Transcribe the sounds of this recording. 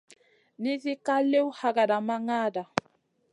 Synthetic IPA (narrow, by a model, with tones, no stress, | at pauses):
ni˦θi˦ka˦le˦u˦ha˨ka˨da˨ma˦ŋa˦da˨